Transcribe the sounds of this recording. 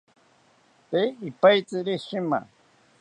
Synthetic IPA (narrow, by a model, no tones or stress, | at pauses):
t̪eɪpajt͡sɪɾɪʃɪma̰